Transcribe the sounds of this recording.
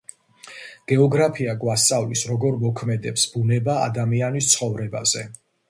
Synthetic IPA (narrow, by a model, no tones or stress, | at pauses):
ɡ̥ɛɔɡɾapʰiaɡwasavlisɾɔɡɔɾmɔkʰmɛd̪ɛpsb̥unɛba̰ːd̪amianist̪sʰχɔvɾɛba̰z̥ɛ